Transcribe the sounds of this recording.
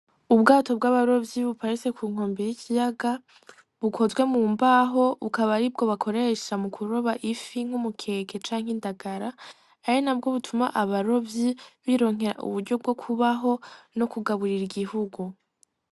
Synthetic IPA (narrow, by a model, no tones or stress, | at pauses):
ubɡaːto̞b̚ɡaβaɾo̞vjiβupaɾise̞kʰuːŋ̥o̞ːmbejicʰijaɡa | βukʰo̞zɡwe̞muːmbaːɦo̞βukaβaɾib̚ɡo̞βakʰo̞ɾe̞ʃamukʰuɾo̞βaʔifiŋ̥humukʰe̞ːke̞t͡ʃaːŋ̥indaɡaɾaː | jenab̚ɡo̞βutʰumaʔaβaɾo̞vjiβiɾo̞ːŋ̥ɦe̞ɾa̰ʔṵβuɾɟo̞b̚ɡo̞kʰuβaɦo̞no̞kuɡaβuɾiɾiɡihuɡu